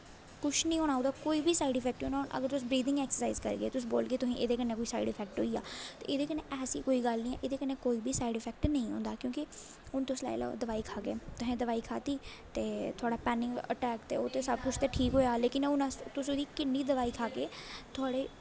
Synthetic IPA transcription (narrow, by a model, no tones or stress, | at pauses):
kʊʃʰnĩːɦoːɽãːõnd̪aːkoːiːbʱiːsaːɪɖɪpʰɛːk̚ʈõːnaːnʔə̰ɡəɾt̪ʊs̬bɾiːd̪ɪ̃ŋɡɛːksəɾsaizkəɾɡeːt̪ʊs̬ːboːlɡeːt̪ʊsĩːʔeːd̪eːkənːeːkoːiːsa̰iɖɪfʰɛːk̚ʈɦo̰ːiːa̰ːt̪ḛːed̪eːkəneːʔɛːsiːkoːiːɡəlnĩːɛ̰ːʔeːd̪eːkənːẽːkoːiːbiːsaːiɖɪpʰɛːk̚ʈnəĩːɦõ̰ːnd̪aːkjõːkɪ | ʊnt̪ʊsla̰ːɪl̰d̪əʋaːikʰaːkeːt̪ʊsẽːd̪əʋaːiːkʰa̰ːt̪iː | t̪eːt̪ʰʊaːɽaːpɛːnɪ̃ŋɡə̰ʈɛːkt̪eːoːt̪eːsəbkʊt͡ʃʰt̪eːʈʰiːkɦoːjaːleːkɪnʊnãt̪ʊsʊd̪iːkɪnːiːd̪əʋaːiːkʰaːkeːt̪ʰʊaːɽeː